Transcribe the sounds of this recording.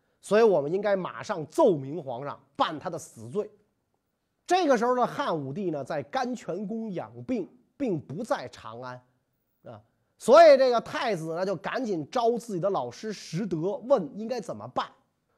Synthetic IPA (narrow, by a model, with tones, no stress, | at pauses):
swɔ˧˥i˧˥wɔ˨˩mə˦ni˥ŋka˥ɪma̰˨˩ʂɑ˥˧ŋt͡so˥˩ʊmi˧˥ŋxwɑ̰˧˥ŋʂɑ̰˥˧˩ŋpa˥˩nt̪ʰa˥d̪ə˨sɹ̩˨˩t͡swe˥˩ɪ | ʈ͡ʂɤ˥˩ɡə˩ʂɻ̩˧˥xo˧d̪ə˧˩xa˥˩nu˨˩t̪i˥˩nə˩t͡sa˥˩ɪka˥nt͡ɕʰɥɛ˧˥nk̬ʊ˥ŋjɑ̰˨˩ŋpi˥˩˧ŋ | pi˥˩ŋpu˧˥t͡sa˥˩ɪʈ͡ʂʰɑ̰˧˥ŋa˥n | ə̰˧˩ | swɔ˧˥i˨˩ʈ͡ʂɤ˥˩ɡə˩t̪ʰa˥˩ɪd͡zɹ̩˩nə˧t͡ɕjo˥˩ʊka̰˧˥nt͡ɕi˨˩nʈ͡ʂɑ˥ʊt͡sɹ̩˥˩t͡ɕi˨˩d̪ə˦lɑ˨˩ʊʂɻ̩˥ʂɻ̩˧˥t̪ɤ˧˥wə˥˩ni˥ŋka˥ɪt͡sə˨˩nmə̰˦pa˥˩n